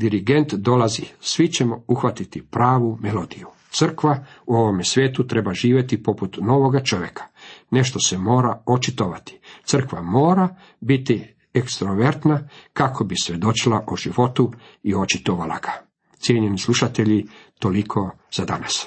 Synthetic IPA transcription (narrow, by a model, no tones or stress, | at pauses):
d̪iɾiɡe̞nt̪d̪o̞lazisʋit͡ɕe̞mouxʋat̪it̪ipɾaːʋumelo̞d̪iju | t̪sɨr̩kʋauo̞ʋo̞mesʋje̞ːt̪ut̪ɾe̞baʒiːʋʲje̞t̪ipo̞put̪no̞ːʋo̞ɡat͡ʃo̞ʋje̞kʰḁne̞ʃt̪o̞se̞mo̞ːɾaot͡ʃit̪oʋat̪i̥t̪ɨr̩kʋamo̞ːɾa | bit̪i | ekst̪ɾoʋeɾt̪nakakʰo̞bisʋʲje̞d̪o̞t͡ʃilaʔoʒiʋo̞t̪u | io̞t͡ʃit̪oʋala̰ɡ̥a | t̪sjeɲe̞nislˠuʃat̪e̞ʎit̪o̞likʰo̞ | z̥ad̪anas